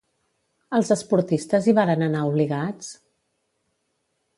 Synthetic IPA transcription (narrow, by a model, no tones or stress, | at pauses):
əlˠzəspuɾt̪ist̪əziβaɾənənauβliɣat͡s